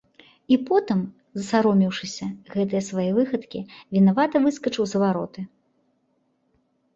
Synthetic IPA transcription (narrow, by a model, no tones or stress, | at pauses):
ipɔt̪ɨm | zɐsaɾɔmʲiwʂɨsʲɐɣɛt̪ɨjɛsvajɛvɨxɐt̪kʲivʲinavat̪ɐvɨskɐt͡ʂɨwzɐvaɾɔt̪ɨ